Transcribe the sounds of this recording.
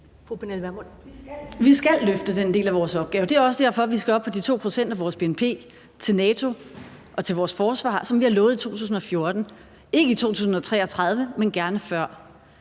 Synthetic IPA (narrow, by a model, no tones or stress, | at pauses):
fupʰenelʋæɐmo | ʋisɡ̥ælːøfd̥əd̥end̥e̝̰ːlæʋɒːsɒ̽b̥ɡ̥ɛːʊəd̥e̝æɐɒ̽səd̥eɐ̰fɒ̽ʋisɡ̥æɒ̽b̥̚pʰɒ̽d̥it͡sʰo̝̰ːpʰʁo̝sen̰d̥æʋɒːsb̥e̝enpʰe̝̰ː | t͡sʰe̝lnɛːt͡sʰo̝ | ʔɒ̽t͡sʰe̝lʋɒːsfɒːsʋɑ̰̈ːsɒ̽mʋihɑ̈lɔːð̩ˠit͡sʰo̝̰ːt͡sʰṵːsn̩ɒ̽fjo̝ɐd̥n̩ | e̝ɡəit͡sʰo̝̰ːt͡sʰṵːsn̩ɒ̽t͡sʰʁɛ̰ːɒ̽t͡sʰʁɑ̈ð̞ˠʋəmenɡ̥æɐnəfɶɐ̰